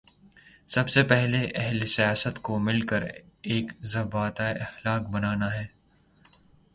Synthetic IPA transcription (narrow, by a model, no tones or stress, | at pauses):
sɐbsepɛɦleʔɛɦlesijaːsət̪komɪlkəɾ | eːkzɐbaːt̪aeɐxlaːkbɐnaːnaɦɛː